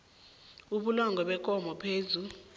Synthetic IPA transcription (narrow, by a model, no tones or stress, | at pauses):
uɓulɔŋɡʱɔɓɛk̬ʼɔmɔpʰeːzu